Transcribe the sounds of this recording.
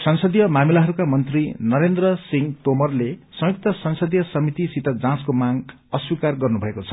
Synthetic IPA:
sʌnsʌd̪jʌmamilaɦʌɾukamʌnt̪rinʌɾend̪rʌsiŋt̪omʌrlesʌ̃juk̚t̪ʌsʌnsʌd̪jʌsʌmit̪isit̪ʌd͡zãskomaŋ | ʌswikarɡʌrnubʱʌekot͡sʰʌ̥

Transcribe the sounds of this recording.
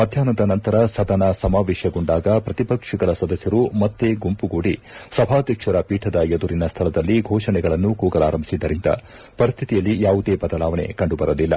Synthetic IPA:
mɐd̪ʱjaːnɐd̪ɐnɐnt̪ɐɾɐsɐd̪ɐnɐsɐmaːʋɛːʃjɐɡoɳɖaːɡɐpɾɐt̪ipɐkʂiɡɐɭɐsɐd̪ɐsjɐɾumɐt̪ːeːɡumpuɡuːɽi | sɐbʱaːd̪ʱjɐkʂɐɾɐpiːʈʰɐd̪ɐed̪uɾinɐst̪ʰɐɭɐd̪ɐlːiɡʱɔːʂɐɳɛɡɐɭɐnːukuːɡɐla̰ːɾɐmbisid̪ːɐɾind̪ɐ̰ | pɐɾist̪ʰit̪ijɐlːijaːʋud̪e̞ːbɐd̪ɐlaːʋɐɳḛkɐɳɖubɐɾɐlilːɐ̰

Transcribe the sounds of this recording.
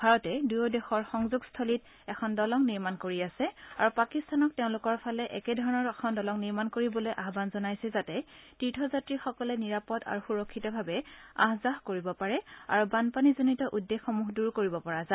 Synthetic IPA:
bʱaɹɔtɛdujɔdɛxɔɹxɔŋzuɡstʰolit | ɛkʰɔndɔlɔŋniɹmankoɹiasɛa̰ɹupakistanɔk̚teʊ̃lʊkɔɹpʰalɛʔɛkɛdʱɔɹɔnɔɹɛkʰɔndɔlɔŋniɹmankoɹibɔlojʔaɦbanzɔnajsɛzatɛtɹitʰɔzatɹixɔkɔlɛniɹapɔda̰ɹuxuɹɔkʰːitɔbʱabɛa̰ɦzaɦkoɹibɔpaɹɛa̰ɹubanpanizonitɔʔudːexːɔmuɦduɹkoɹibɔpɔɹaza

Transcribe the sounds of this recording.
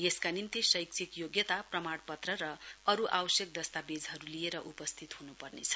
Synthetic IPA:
jeskanint̪isʌjk̚t͡sʰikjoɡjʌt̪aprʌmaɽpʌt̪rʌɾʌʌɾuʔawʌsjek̚d̪ʌst̪abed͡zɦʌɾulijeɾʌʔupʌst̪ʰit̪ɦunupʌrnet͡sʰʌ̥

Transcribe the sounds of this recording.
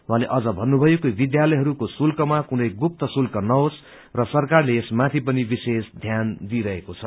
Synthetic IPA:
wãleʔʌd͡zʌbʱʌnːubʱʌjokobid̪jalʌjɦʌɾukosulkʌmakunʌjɡup̚t̪ʌsulkʌnʌɦos | rʌsʌrkarleːsmat̪ʰipʌnibisesd̪ʱjand̪iɾʌɦekot͡sʰʌ

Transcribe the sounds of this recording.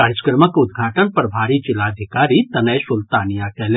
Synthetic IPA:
aːɾd͡ʒəkɾəməkʊd̪ɡʱaːʈənpɐɾbʱaːɾit͡ʃɪlaːd̪ʱɪkaːɾit̪ɐnəjsʊlt̪aːnijakɛle

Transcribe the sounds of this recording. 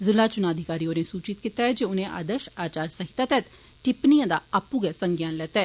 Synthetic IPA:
zɪlaːt͡ʃʊnaːd̪ʱɪkaːɾioːnesuːt͡ʃɪt̪kɪt̪aɦɛd͡ʒeʊnẽʔa̰ːd̪əʃaːt͡ʃaːɾsəɦɪt̪aːt̪ɛːt̪ | ʈɪpnijãːd̪aːəpuːɡɛsəŋɡjaːnlɛːt̪ɦɛː

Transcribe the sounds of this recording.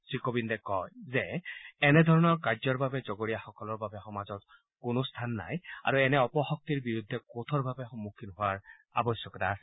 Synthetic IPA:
sɹikobindɛkɔjzɛɛnɛd̪ʱɔɹɔnɔɹkazɔɹbabɛzɔɡoɹijaxɔkɔlɔɹbabɛxɔmazɔt̚ | kʊnost̪ʰanːa̰ja̰ɹuɛnɛɔpɔxɔk̚tiɹbiɹud̪ʱːɛkot̪ʰɔɹbʱabɛxɔmːukʰːinɦʊaɹ | a̰bɔsjɔkɔtasɛ

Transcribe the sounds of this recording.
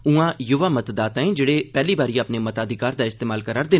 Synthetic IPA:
ũãːjʊʋaːmət̪d̪aːt̪ãːĩːd͡ʒeːɽeːpɛːliːbaːɾiːaːpneːmət̪aːd̪ɪkaːɾd̪aːɪst̪eːmaːlkəɾaːɾd̪eː

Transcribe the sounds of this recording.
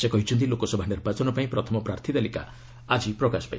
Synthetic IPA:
sekɔɦit͡ʃʰunt̪̬ilokosɔbʱanirbat͡ʃɔnɔpaĩpɾɔt̪ʰɔmɔpɾaɾt̪ʰit̪alika̰ | ad͡ʒiprɔkaspa̰ḭ̃

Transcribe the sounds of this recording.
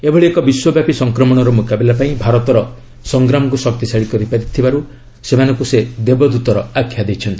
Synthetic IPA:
ebʱɔɭiekɔbiswɔbjapisɔŋkɾɔmɔɽ̃ɔɾɔmukabelapaĩbʱaɾɔt̪ɔɾɔ | sɔŋɡɾamɔkusɔk̚t̪isaɭikɔɾipaɾit̪ʰːibaɾu | semanɔ̃ŋkused̪ebɔd̪ut̪ɔɾɔakʰːjad̪ejt͡ʃʰɔnt̪i

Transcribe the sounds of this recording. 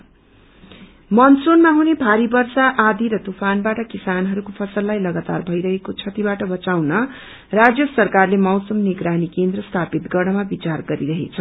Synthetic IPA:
mʌnsonmaɦunebʱaɾibʌrsaʔad̪ʱiɾʌt̪upʰanbaʈʌkisanɦʌɾukopʰʌsʌlːajlʌɡat̪a̰rbʱʌjɾʌɦekot͡sʰʌt̪ibaʈʌbʌt͡sawnʌ | rad͡zjʌsʌrkarlemʌwsʌmniɡɾanikend̪rʌst̪ʰapit̪ɡʌrɽnʌmabit͡sarɡʌɾiɾʌɦḛt͡sʰʌ

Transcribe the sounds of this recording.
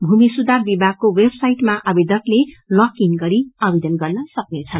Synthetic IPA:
bʱumisud̪ʱarbibʱaɡ̚kowebsajʈmaʔʌbed̪ʱʌklelʌkinɡʌɾiʌbed̪ʌnɡʌrnʌsʌk̚net͡sʰʌn

